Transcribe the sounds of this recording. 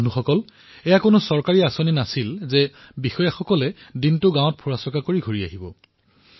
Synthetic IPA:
nuxɔkɔl | ɛjakʊnʊsɔɹkaɹiasoninasilzɛ | bixɔjaxɔkɔlɛdintʊɡãw̃ɔt̚pʰuɹasɔkakoɹiɡʱoɹiaɦibɔ

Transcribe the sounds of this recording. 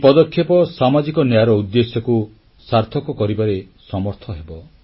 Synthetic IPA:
pɔd̪ɔkʰːjepɔsamad͡ʒikɔnjaɾɔud̪ːesjɔku | saɾt̪ʰɔkɔkɔɾibaɾe | sɔmɔɾt̪ʰɔɦebɔ

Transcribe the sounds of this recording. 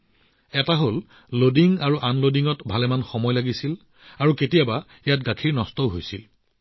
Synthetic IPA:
ɛtaɦol | lodiŋaɹuʔanlodiŋɔtbʱalɛmanxɔmɔjlaɡisil | aɹuketijaba | ijat̚ɡakʰiɹnɔstɔɦojsil

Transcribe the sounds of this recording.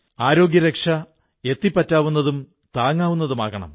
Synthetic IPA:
aːɾo̞ːɡjɐɾekʂɐ | e̞t̪ːipːɐtːaːʋunːɐðum | t̪aːŋːaːʋunːɐðumaːɣɐɳɐ̰m

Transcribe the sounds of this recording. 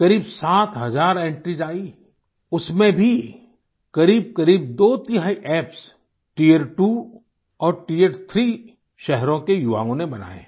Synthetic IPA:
kɐɾiːbsaːt̪ɦɐzaːɾẽɳʈɾid͡ʒaːi | ʊsmẽbʱi | kɐɾiːb̚kɐɾiːb̚d̪oːt̪ɪɦaːiʔɛːps | ʈiːeɾʈu | ɔːɾʈiːeɾt̪ʰɾiː | ʃɛɦɾõkejʊʋa̰ːõnebɐna̰ːḛː

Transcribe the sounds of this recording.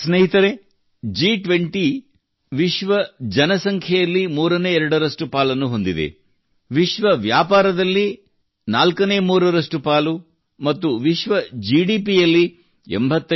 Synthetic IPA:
sneɦit̪ɐɾe | d͡ʒiːʈʋeɳʈi | ʋiʃʋɐd͡ʒɐnɐsɐŋkʰjɛjɐlːimuːɾɐneːɛɾɐɽɐɾɐsʈupaːlɐnːuɦo̞nd̪id̪ḛ | ʋiʃʋɐʋjaːpaːɾɐd̪ɐlːi | naːlkɐne̞ːmuːɾɐɾɐsʈupaːlu | mɐt̪ːuʋiʃʋɐd͡ʒiɽiːpijɐlːi | ḛmbʱɐt̪ːɐ

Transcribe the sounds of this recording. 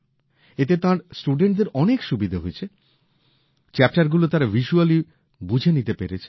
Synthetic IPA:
et̪et̪ãɾsʈuɖeɳʈ̚d̪eɾɔnekʃubid̪ʱaɦoet͡ɕʰe | t͡ɕɛp̚ʈaɾɡulot̪ãɾavʱiʃuali | bud͡ʑʱenit̪epeɾet͡ɕʰe̥

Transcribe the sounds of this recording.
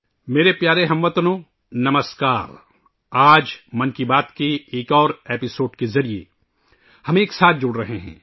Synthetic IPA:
meːɾepjaːɾeɦɐmʋət̪ənõː | nɐməskaːɾ | aːd͡ʒmɐnkibaːt̪kieːkɔːɾeːpɪsoːɖkezɐɾijḛ | hɐmeːksaːt̪̚ʰd͡ʒʊɽɾɐɦeɦɛ̰̃ː

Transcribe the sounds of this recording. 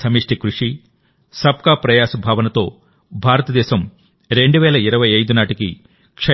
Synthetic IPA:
sɐmiːʂʈikɾuʂi | sɐp̚kaːpɾɐjaːsɐbʱaːʋɐnɐt̪o̞ː | bʱaːɾɐt̪ɐd̪ɛːʃɐm | ɾe̞ɳɖuʋɛːlɐiɾɐʋɐjɐjd̪unaːʈiki | kʂɐ

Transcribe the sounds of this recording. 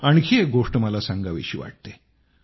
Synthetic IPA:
aɽ̃ikʰieɡoʂʈməlasãŋɡaʋḛɕiːʋa̰ʈ̚t̪e

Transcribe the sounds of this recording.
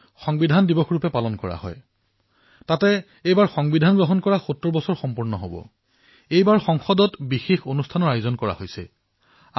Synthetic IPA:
xɔŋbidʱandibɔxʰɹupɛpalɔnkɔɹa̰hɔ̰j | tatɛ | ejbaɹxɔŋbidʱanɡɹɔɦɔnkɔɹaxutɹɔɹbɔsɔɹxɔmpuɹnɔɦobɔ̰ | ejbaɹxɔŋxɔdɔtbixexonustʰanɔɹajʊzɔnkɔɹa̰hojsɛ

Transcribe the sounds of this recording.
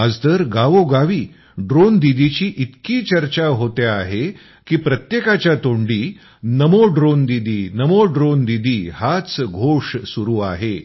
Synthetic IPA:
əd͡zt̪əɾɡaʋoɡaʋiː | ɖɾond̪id̪it͡ɕiːʔit̪kiːt͡ɕəɾt͡ɕaɦot̪eaɦe | kiːpɾət̪jekat͡ɕjat̪oɳɖiː | nəmoɖɾond̪id̪iːnəmoɖɾond̪id̪iːhat͡sɡʱoʂsuɾuːa̰ɦe

